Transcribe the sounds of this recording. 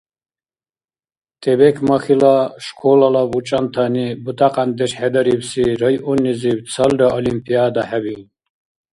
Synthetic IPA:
t̪ʼɛbɛkʰmaχilaʃkʰɔlalavut͡ʃʼant̪ʰanibut̪ʼaqʼand̪ɛʃħɛd̪aɾibsiɾajʔɔnːiziw̪t͡sʰalɾaʔɔlimpʼiad̪aħɛbin

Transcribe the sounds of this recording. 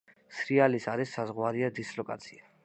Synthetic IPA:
sɾialisaɾisːazʁwaɾiad̪islɔkʼa̰t̪sʰia

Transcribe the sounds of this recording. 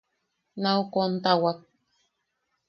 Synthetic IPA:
naukont̪awak̚

